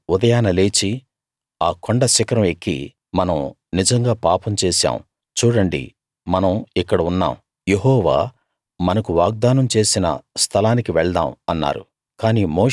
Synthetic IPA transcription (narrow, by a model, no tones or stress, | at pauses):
ud̪ɐjaːnɐle̞ːt͡ʃi | aːkoɳɖɐsikɐɾɐmekːḭ | mɐnɐm | nid͡ʒɐŋɡaːpaːpɐmt͡ʃeːsa̰ːm | t͡ʃuːɽɐɳɖḭ | mɐnɐmikːɐɽɐunːa̰ːm | jeɦɔːʋa̰ː | mɐnɐkuʋaːɡ̚d̪aːnɐmt͡ʃe̞ːsinɐ̰st̪ʰɐlaːnikiʋɛɭd̪a̰ːmɐnːa̰ːɾṵ | kaːniːmoː